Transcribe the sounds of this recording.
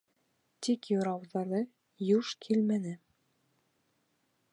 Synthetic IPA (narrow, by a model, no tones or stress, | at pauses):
t̪ikjuɾɑwðɑɾðɤ | juʃkʰilmænɘ